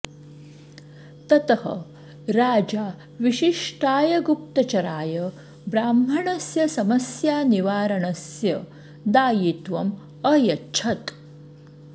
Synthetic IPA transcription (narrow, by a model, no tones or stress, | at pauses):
t̪ɐt̪ɐhɐ̰ | ɾaːd͡ʒaː | ʋiʃiʂʈaːjɐɡup̚t̪ɐt͡ʃɐɾaːjɐ | bɾaːmbʱɐɳɐsjɐsɐmɐsjaːniʋaːɾɐɳɐsjɐ | d̪aːjit̪ʋɐm | ɐjɐtːt͡ʃʰɐt̪